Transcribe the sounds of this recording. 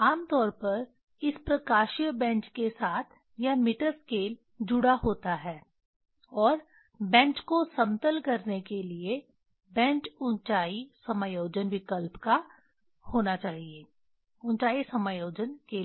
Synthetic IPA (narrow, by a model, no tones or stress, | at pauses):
aːmt̪ɔːɾpɐɾ | ɪspɾɐkaːʃijbɛ̃ːnt͡ʃkesaːt̪ʰ | jamɪʈəɾskeːl | d͡ʒʊɽaɦoːt̪aɦɛː | ɔːɾ | bɛ̃ːt͡ʃkosɐ̃mt̪əlkɐɾnekelie | bɛ̃ːnt͡ʃʊ̃nt͡ʃaːisɐmaːjoːd͡ʒənʋɪkəlpka | hoːnat͡ʃaːɦieː | ʊ̃ɲt͡ʃaːisɐmajoːd͡ʒənkeː